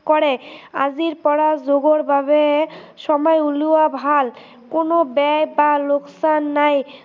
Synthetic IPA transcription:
kɔɾea̰d͡ʑiɾpɔɾazoɡoɾbʱabe | ʃɔmɔeuluabʱal | konobɛjbaloksanːaj

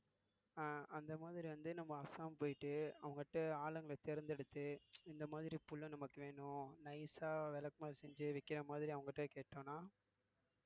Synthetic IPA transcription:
ɐnd̪ɐmaːðɪɾiʋɐnd̪ɯnɐmːɐɐsaːmpoːjɪʈːɯɐʋɐŋɡɐʈːɐaːlɐŋɡɐɭɐt̪ɛɾɯnd̪ɛɽɯt̪ːɯɪnd̪ɐmaːðɪɾipʊɭːɐ̃nɐmɐkːɯʋeːɳʊ̃nɐɪsaːʋɛlɐkmaːsɛɲd͡ʒɯʋɪkːɪɾɐmaːðɪɾiɐʋɐŋɡɐʈːɐkeːʈːõːnaː

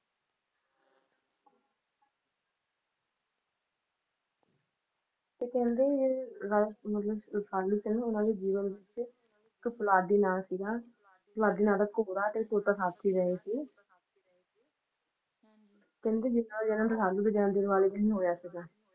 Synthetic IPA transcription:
t̪eːkɛ̃ːnd̪eːeːɾamət̪ləbsaːliːsinẽːʊnãːd̪eːd͡ʒiːʋənʋɪt͡ʃ | kpəlaːɖ̪iːnaːsiɡaː | plaːɖ̪iːnaːdaːkoːɽaːt̪eːt̪oːt̪aːsaːt̪ʰiːɾəɦeːsiː | eː | kɛ̃ːnd̪eːd͡ʒɪnãd͡ʒɛːnãːɾəsaːluːb̪eːd͡ʒɛːãːd̪ɪɾʋaːleːd͡ʒnĩːɦoːjaːsiɡaː

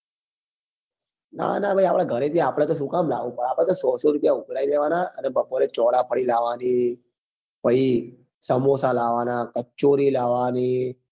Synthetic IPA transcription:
na̰nabʱajapɽ̃ãɡʱəɾet̪ʰiapɽ̃at̪osukamlaʋũpəɽapɽ̃at̪osɔsoɾupjaʊɡʱɽaid̪eʋanaʔənebəpoɾet͡ʃɔɽapʰəɽilaʋani | pəi | səmosalaʋanakət͡ʃːoɾilaʋani

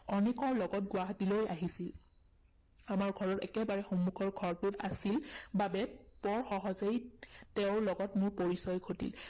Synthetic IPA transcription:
ɔnikɔlɔɡɔt̚ɡʊwaɦatiloja̰ɦisil | amaɹɡʱɔɹɔtɛkɛbaɹɛxomuɡʰʱɔɹɡʱɔɹpʊta̰silbabɛpɔɹxɔɦɔzejtɛʊ̃lɔɡɔtmʊɹpoɹisɔjkʰotḭl

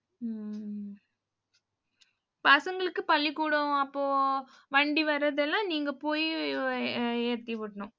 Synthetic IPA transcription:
paːsɐŋɡɐɭɯkːɯpɐlːikːuːɽɐ̃ɐpːoː | ʋɐɳɖiʋɐɾːɐðɛlːãːniːŋɡɐpoːji | eːɾt̪iʋɪʈːɐɳʊ̃

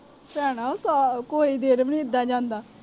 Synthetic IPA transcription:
pɛːɽaːosaːkoːiːd̪eːɾəmnĩːɪd̪ːaːd͡ʒãːnd̪aː

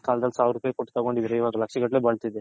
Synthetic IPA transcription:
kaːld̪ɐlsaːʋɾupaːjekoʈːt̪akoɳɖiʋiɾɐjʋaːɡɐlɐkʂiɡɐʈlebɐɭt̪id̪e

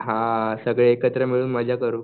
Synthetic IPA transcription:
ɦãsəɡɭeekət̪ɾəmiɭuːnməd͡ʑʱjakəɾuː

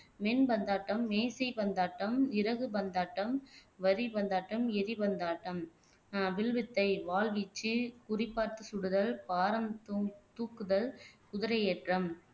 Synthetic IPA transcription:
mɛnbɐnd̪aːʈːɐmːeːsɐɪbɐnd̪aːʈːɐmɪɾɐɣɯbɐnd̪aːʈːɐmʋɐɾibɐnd̪aːʈːɐmɛɾibɐnd̪aːʈːɐmː | ʋɪɭʋɪt̪ːɐɪʋaːɭʋɪt͡ʃːɯkʊrɪpːaːɾt̪ɯsʊɽɯðɐɭpaːɾɐmt̪t̪uːkːɯðɐɭkʊðɪɾɐɪeːʈrɐm

